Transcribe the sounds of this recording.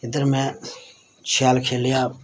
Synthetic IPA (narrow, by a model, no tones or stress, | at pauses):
ɪd̪əɾmɛ̃ː | t͡ʃʰaːlkʰeːlɪjaː